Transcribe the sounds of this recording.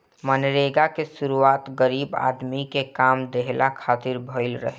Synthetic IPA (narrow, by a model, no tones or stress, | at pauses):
mənɾeɡakesuɾuaːt̪ɡəɾiːba̰ːd̪mikekaːmd̪eɦlakʰaːt̪iɾbʱəɪlɾə̰ɦe